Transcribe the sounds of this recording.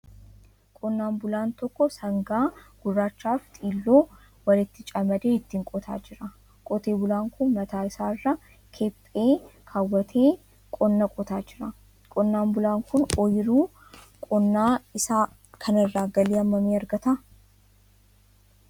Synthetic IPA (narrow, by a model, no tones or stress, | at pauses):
kʼɔnːaːmbʊlaːnt̪ɔkːɔsɐŋɡaːɡ̥ʊrːaːt͡ʃːaːft̪ʼiːlːo̞ː | wɐlɪt̪ːɪt͡ʃʼɐmɐd̪eːɪt̪ːɪŋkʼɔt̪ʰa̰ːd͡ʒɪɾɐ | kʼɔt̪eːbʊlaːŋkʊnmɐt̪aːɪsaːɪrːɐ | kʰɛpʼːeːkʰaːwːɐt̪ʰeː | kʼɔnːɐkʼɔt̪aːd͡ʒɪɾɐ | kʼɔnːaːmbʊlaːŋkʊnɔjɪɾuː | kʼɔnːaːɪsaː | kʰɐnɪrːaːɡɐleːɐmːɐmeːɐɾɡɐt̪ɐ